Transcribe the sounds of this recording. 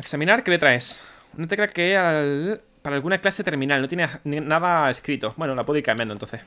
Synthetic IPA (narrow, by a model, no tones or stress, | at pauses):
eksamĩnaɾke̞let̪ɾaes | not̪̬e̞kɾeakeeal | paɾaːlɣunaklase̞t̪e̞ɾmĩnalnot̪jenenenaðaeskɾit̪obwenolapweikaemend̪ont̪o̞nθes